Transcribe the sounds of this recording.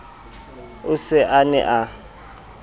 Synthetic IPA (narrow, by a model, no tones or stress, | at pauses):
ʊsɛʔanɛ̰ʔa